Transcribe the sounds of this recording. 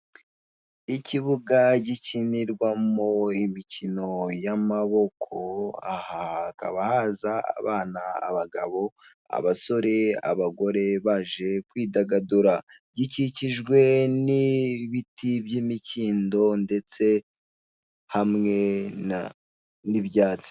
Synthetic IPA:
iciβuɡaɟiciniɾɡwamo̞imicino̞jamaβo̞kʰo̞a̰haka̰βahaza̰ːβaːna̰ːβaɡa̰βo̞ | a̰βaso̞ɾe̞a̰βaɡo̞ɾe̞βaʒe̞kwiːdaɡaduɾa | ɟiciciʒɡwe̞niβitʰibjimiciːndo̞nde̞t͡se̞ | hamŋe̞a | niβjaːt͡si̥

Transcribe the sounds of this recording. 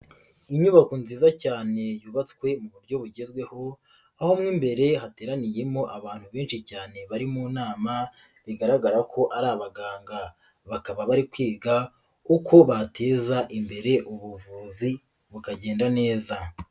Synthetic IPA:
iɲuβakonziːzacaːne̞juːβat͡skwe̞muβuɾɟo̞βuɟe̞zɡwe̞ho̞ | aho̞mŋiːmbe̞ɾe̞hate̞ːɾanije̞mo̞ʔaβaːn̥huβeːnʃicaːne̞βaɾimuːnaːma | βiɡaɾaɡaɾakʰo̞ʔaɾaːβaɡaːŋɡa | βakaβaβaɾikwiːɡa | uko̞βatʰe̞ːzaʔimbe̞ɾe̞ʔuβuvuːzi | βukaɟeːndane̞ːza

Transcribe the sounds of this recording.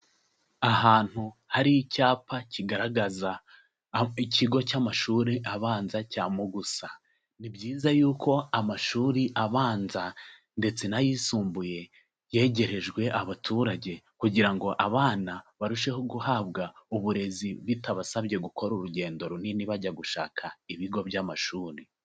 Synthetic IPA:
aɦaːn̥huhaɾiicaːpʰaciɡaɾaɡaza | icʰiɡo̞camaʃuɾiʔaβaːnzacaːmoɡusa | nibɟiːzajuːkʰo̞amaʃuːɾiʔaβaːnza | nde̞t͡se̞najiːsuːmbuje̞ | je̞ːɟe̞ɾe̞ʒɡwe̞ʔaβatʰuːɾaɟe̞ | kuɟiɾaŋɡo̞ʔaβaːnaβaɾuʃe̞hoɡuhaːβɡauβuɾe̞ziβitaβasaβɟe̞ɡukʰo̞ɾuɾuɟe̞ːndo̞ɾoniniβaɟaɡuʃa̰ːkʰaiβiɡo̞βjaːmaʃuːɾi

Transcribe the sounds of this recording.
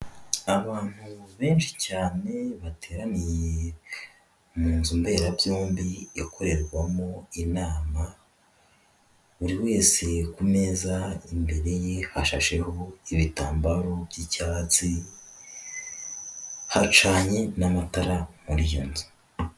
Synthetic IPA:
aβaːn̥huβe̞ːnʃi̥caːne̞βatʰe̞ːɾanije | muːnzumbe̞ːɾabjoːmbiakʰo̞ɾe̞ɾɡwamo̞inaːma | uɾiwe̞ːse̞kume̞zaimbe̞ɾe̞jehaʃa̰ʃe̞ho̞iβitaːmbaɾobjicaːt͡si | hat͡ʃaːɲenamataɾamuɾijuːnzu̥

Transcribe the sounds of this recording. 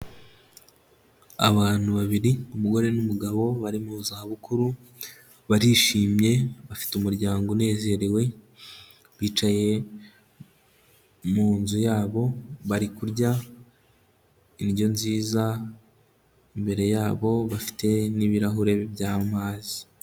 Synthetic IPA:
a̰βaːn̥huβaβiɾiumuɡo̞ɾe̞numuɡaβo̞βaɾimuzaaβukuɾu | βaɾiʃiːmje̞βafi̥tumuɾɟaːŋɡone̞ːze̞ɾewe̞ | βiːt͡ʃaje̞ | muːnzujaːβo̞βaɾikuɾɟa | injo̞nziːza | imbe̞ɾe̞jaːβo̞βafi̥tʰe̞niβiɾaɦuɾe̞βbjaːmaːzi

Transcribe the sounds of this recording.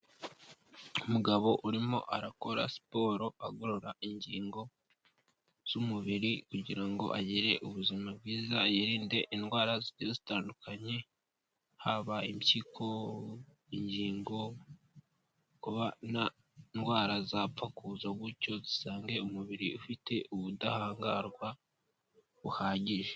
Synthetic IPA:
umuɡaβo̞ʔuɾimo̞̰ʔaɾako̞ɾa̰si̥po̞ːɾo̞aɡo̞ɾoɾaiɲɟiːŋɡo̞ | z̥umuβiɾikuɟiɾaŋɡo̞̰ʔaɟiɾe̞ʔuβuzimab̚ɡiːzajiɾiːnde̞ʔinɡwaːɾazitizitaːndukaɲe̞ | haβaimciːkʰo̞ | iɲɟiːŋɡo̞ | kuβana | nɡwaːɾazapp͡fakuzoɡuco̞zisaːŋɡe̞umuβiɾiufitʰe̞ʔuβudahaːŋɡa̰ɾɡwa | βuhaːɟiʒe

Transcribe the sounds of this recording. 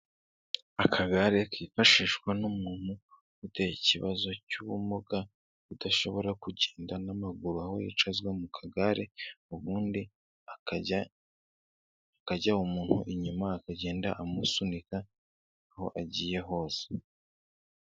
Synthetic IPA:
akʰaɡaɾekiːfaʃiʃɡwanumuːn̥hu | ute̞jiciβazo̞cuβumoɡa | udaʃo̞βo̞ɾakuɟeːndanamaɡuɾuaho̞jḭt͡ʃazɡwemukʰaɡaɾe̞uβuːndi | akaɟaumuːn̥huʔiɲumaːkaɟe̞ːndaʔamusunika | aho̞̰ʔaɟiːje̞ɦo̞ːse̥

